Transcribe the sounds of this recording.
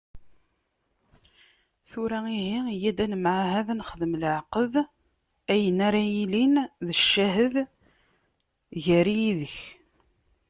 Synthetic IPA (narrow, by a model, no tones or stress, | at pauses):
θʊɾæiɦijæd̪ænəmʕaɦæðænχəðəmləʕqəð | æjənaɾajilinðəʃːæɦəð | ʝæɾijiðəç